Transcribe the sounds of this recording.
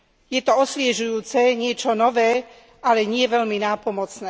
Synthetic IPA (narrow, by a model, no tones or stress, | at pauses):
jɛt̪ɔɔsʋɪɛʒujuːt͡sɛɲɪɛt͡ʃɔnɔʋɛː | ʔalɛɲɪɛʋɛlminaːpɔmɔt͡snɛː